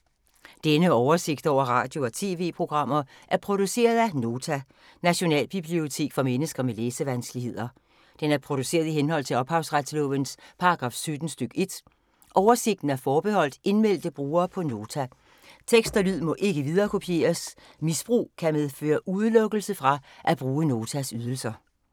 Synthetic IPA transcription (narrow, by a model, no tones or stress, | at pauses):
d̥enəɒʊɐse̝ɡ̥̚d̥ɒ̰ʊ̰ɐʁɑ̰̈ːd̥jo̝ɒ̽t͡sʰe̝̰ːʋe̝̰ːpʰʁo̝ɡ̥ʁɑ̈m̰ɐ | ʔæɐpʰʁo̝d̥use̝̰ːɐð̞ˠæno̝ːt͡sʰæ | næɕo̝nɛ̰ːlb̥ib̥lio̝t͡sʰe̝̰ːɡ̥fɒmenəsɡ̥ɐmeleːsəʋænsɡ̥liɦe̝ð̰ˠɐ | d̥enæɐpʰʁo̝ɾ̥use̝̰ːɐðˠiɦenɦɒ̽l̰t͡sʰe̝lɒ̽b̥hɑ̈ʊsʁad̥slɔ̽ːʋənspʰɑ̈ɑɡ̥ʁɑ̰̈ːfsød̥n̩sd̥øɡ̥e̝d̥ | ʔɒʊɐse̝ɡ̥̚d̥n̩æɐfɒːb̥ehɒ̽l̰d̥e̝nmel̰d̥əb̥ʁuːɐːpʰɒ̽no̝ːt͡sʰæ | t͡sʰeɡ̥sd̥ɐlyð̰ˠmɒ̽ʔe̝ɡ̥əʋið̞ˠɐːkʰo̝pʰie̝̰ːɐs | misb̥ʁṵːkʰæmeðˠfø̰ːɐʔuð̞ˠlɔ̽ɡ̥l̩səfʁɑ̈ʔæb̥ʁuːəno̝ːt͡sʰæsyð̞ˠl̩sɐ